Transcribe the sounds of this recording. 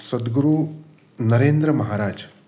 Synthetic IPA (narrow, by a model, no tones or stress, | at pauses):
sɐd̪ɡuɾuː | nɐɾeːnd̪ɾɐmɐɦaːɾaːd͡ʒ